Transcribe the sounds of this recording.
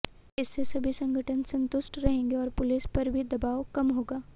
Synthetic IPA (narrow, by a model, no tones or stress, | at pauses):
ɪsːesɐbʱisɐ̃ŋɡʱəʈʰənsɐ̃nt̪ʊʃʈɾɐɦẽːŋɡeɔːɾpʊlɪspɐɾbʱid̪ɐbaːʋkɐmɦoːɡaː